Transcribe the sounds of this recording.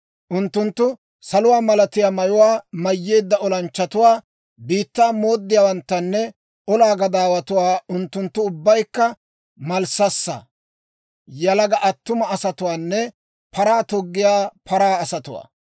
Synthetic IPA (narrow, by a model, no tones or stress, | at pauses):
ʔʊnt̪ːʊnt̪ːʊ | sɐlʊwaːmɐlɐt̪ɪjaːmɐjʊwaːmɐjːe̞ːd̪ːɐɔlɐnt͡ʃːɐt̪ʊwaː | biːt̪ːaːmo̞ːd̪ːɪjaːwɐnt̪ːɐnːɛ | ʔɔlaːɡɐd̪aːwɐt̪ʊwaːʊnt̪ːʊnt̪ːʊʊbːɐjkːɐ | mɐlsɐsːɐ̰ | jɐlɐɡɐʔɐt̪ːʊmɐɐsɐt̪ʊwaːnːɛ | pʰɐɾaːt̪ɔɡːɪjaːpʰɐɾaːɐsɐt̪ʊwa̰ː